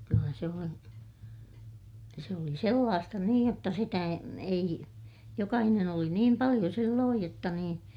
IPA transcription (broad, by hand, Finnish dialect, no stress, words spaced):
kylːæ se on jɑ se oli selːɑːstɑ niːj jotːɑ sitæ e ei jokɑhinen oli niːm pɑlij̆o silːoːj jotːɑ niːn